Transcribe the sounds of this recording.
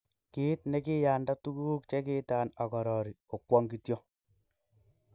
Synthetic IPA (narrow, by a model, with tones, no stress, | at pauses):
ki˦tnɛ˦ki˦jaː˨nda˦tu˦ku˦u˦kt͡ʃe˦kɪ˦taː˨na˨kɔ˨ɾɔ˨ɾi˨o˨kwɔ˦ŋɡi˦tjo˦